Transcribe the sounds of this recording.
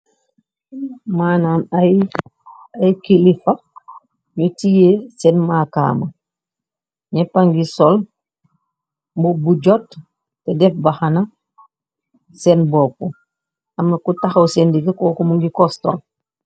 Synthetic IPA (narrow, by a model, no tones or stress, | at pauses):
maːnamaj | ajkilifɐ | ɲutijesɛnmaːka̰ːmɐ | ɲɛpaŋɡisɔl | mbubuɟɔt | tɛdɛfbahanɐ | sɛnbɔku | ɐmːɐkutaxɐwsɛndiɡɐkɔːkɔmuŋɡikɔstɔ̰l